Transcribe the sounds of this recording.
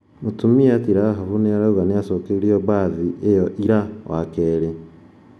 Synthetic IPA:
motumiatiɾaɦaβuneaɾauɣaneasɔːkeɾiɔβaːðiʔejɔʔiɾawakɛːɾe

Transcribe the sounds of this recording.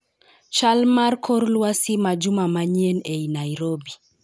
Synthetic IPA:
ʃalmaɾkʰɔɾlwasimad͡ʒumamaɲiɛnɛjnaiɾɔbi

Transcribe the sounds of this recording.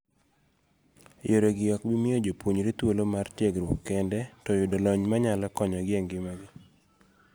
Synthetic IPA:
joɾoɡɪɔkbɪmɪod͡ʒopwoɲɾet̪wolomartjeɡɾwokːɛndɛtɔjʊdɔlɔɲmaɲalɛkɔɲɔɡɪeŋɡɪmaɡɪ

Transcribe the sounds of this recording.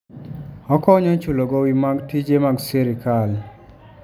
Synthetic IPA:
ɔkɔɲɔt͡ʃuloɡɔwimaɡtid͡ʒemaɡseɾikal

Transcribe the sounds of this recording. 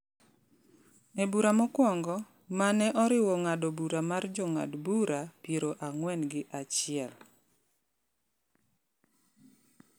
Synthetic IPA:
ebuɾamɔkwɔŋɡɔ | manɛʔɔɾɪwɔŋadɔbuɾamard͡ʒɔŋa̰dbuɾapjeɾoʔaŋwɛnɡɪʔat͡ʃɪɛl

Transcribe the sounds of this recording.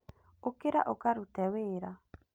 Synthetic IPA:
okeɾa̰ʔokaɾutɛweːɾa

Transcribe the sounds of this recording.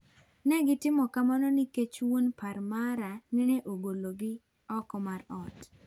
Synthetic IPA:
nɛɡɪtɪmɔkamanɔniket͡ʃwonparmaɾaninɛʔoɡoloɡɪ | ɔkɔmaɾɔt

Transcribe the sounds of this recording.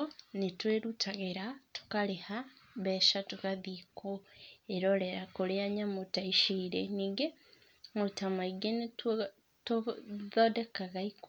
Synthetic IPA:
nitweɾutʰaɣeɾatu̥kalehaβeːʃatukaðikoeɾoleɾakoleaɲamutaiʃiːɾeniɡe | mutamaiɡenit | tðodekaɣaiko

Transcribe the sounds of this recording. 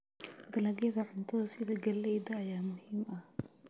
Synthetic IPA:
ɡɐlɐɣjɐɣɐʕʊnt̪ʰɔðɐsɪðɐɡɐlɛjd̪ɐːjaːmʊhiːmɐh

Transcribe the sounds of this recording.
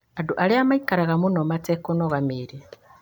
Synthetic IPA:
aduʔaleamaikaɾaɣamunomatekonoɣamiɾe

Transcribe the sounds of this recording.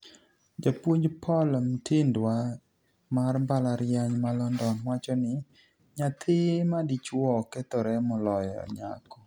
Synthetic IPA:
d͡ʒapwoɲd͡ʒpʰɔlmtɪndwa | marmbalaɾjaɲmalɔndɔnwat͡ʃɔnɪ | ɲat̪ʰɪmadit͡ʃwɔkɛt̪ɔɾɛmʊlɔjɔ̰ɲa̰kɔ

